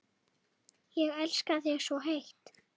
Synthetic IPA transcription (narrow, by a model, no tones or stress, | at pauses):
jɛɣɛlskaðjɛɣsɔɦejht̪